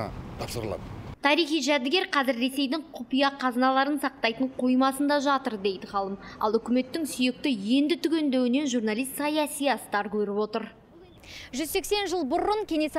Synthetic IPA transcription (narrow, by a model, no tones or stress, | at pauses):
t̪ʰɑpsəɾlˠɑ̰d̪t̪ʰɑɾijχijʒæd̪ɪɡʲeɾqʰɑzɪɾːe̞se̞jd̪ɪŋqʰʊpijɑqʰɑznɑlˠɑɾənsɑq̚t̪ɑjt̪əɴqʰo̞jmɑsənd̪ɑʒɑt̪əɾd̪e̞jd̪ɪχɑlˠəmɑ̰lˠʏkʲɪme̞t̪ːɪŋsʏje̞k̚t̪ɪje̞nd̪ɪt̪ʰʏkʲe̞nd̪ewɪne̞nʒurnɑlijst̪sɑjɑsijɑst̪ɑɾkʲʰɵɾɪpo̞t̪əɾ | ʒʏzse̞kse̞nʒəlˠbʊɾʊŋkʲʰe̞nes